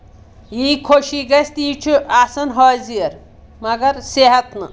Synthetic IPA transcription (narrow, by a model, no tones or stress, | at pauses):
jiːkʰoʃiɡɐst̪iːt͡ʃʰuasɐnɦɔːziɐɾ | mɐɡɐɾseɦɐt̪nɨ